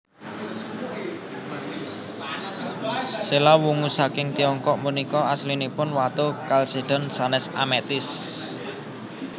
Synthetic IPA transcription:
selawuŋusakɪŋt̪iɔŋkɔʔmunikɔaslinipʊnwat̪okalseɖ̥ɔ̤nsanɛsamɛt̪ɪs

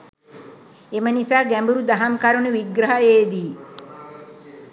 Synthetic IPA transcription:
emənisaːɡæmbuɾud̪aɦamkaɾunuʋiɡɾɐɦaeːd̪iː

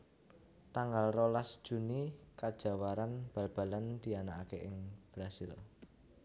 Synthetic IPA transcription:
t̪aŋɡalrolasd̥ʒ̥ṳnikad̥ʒ̥a̤waɾanb̥a̤lb̥a̤land̪̥i̤anaakeʔɪŋb̥ɾasɪ̰l

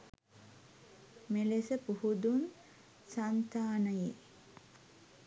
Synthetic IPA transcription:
melesəpuhud̪un | sant̪aːnəje

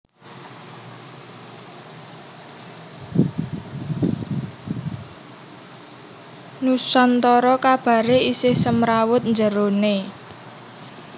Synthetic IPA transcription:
nusɔnt̪ɔɾɔkab̥a̤ɾeisɪhsəmɾawʊt̪̚nd͡ʒəɾone

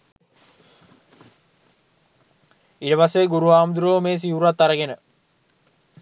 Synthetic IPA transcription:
iʈəpaseɡuɾuaːmd̪uɾoːmeːs̬iuɾuat̪ːaɾəɡenə

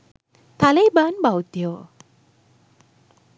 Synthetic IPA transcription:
t̪alebanbawt̪ijo

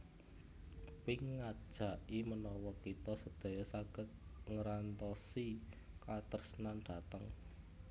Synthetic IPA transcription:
wɪŋːad̥ʒ̥a̤ʔimənɔwɔkit̪ɔsəd̪̥o̤jɔsaɡ̥ə̤t̪̚ŋəɾant̪ɔsi | kat̪ərsnanɖ̪̥a̤t̪əŋ

